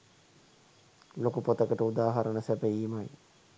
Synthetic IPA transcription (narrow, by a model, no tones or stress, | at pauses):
lokupot̪əkəʈəud̪aːɦaɾənəsæbəiːmaj